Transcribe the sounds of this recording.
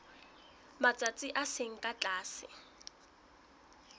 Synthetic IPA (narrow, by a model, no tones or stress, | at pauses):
mat͡sʼat͡sʼɪʔaseŋ̩kʼat͡ɬʼaːsɪ̰